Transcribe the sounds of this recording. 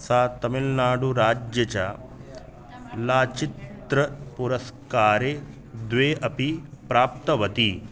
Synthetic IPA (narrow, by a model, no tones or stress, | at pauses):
saːt̪ɐmilnaːɽuɾaːd͡ʒjɐt͡ɕa | laːt͡ʃit̪ɾɐpuɾɐskaːɾeː | d̪ʋeːʔɐpipɾaːp̚t̪ɐʋɐt̪i